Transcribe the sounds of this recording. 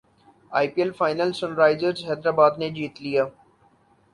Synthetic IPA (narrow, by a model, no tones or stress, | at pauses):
aːɪpiɛlfaːɪnəlsʊnɾaːɪzəɾzɦɛːd̪ɾaːbaːd̪ned͡ʒiːt̪lijaː